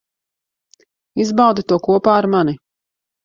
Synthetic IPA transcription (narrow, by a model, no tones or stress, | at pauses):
izbawd̪it̪uɔkuɔpaːaɾmani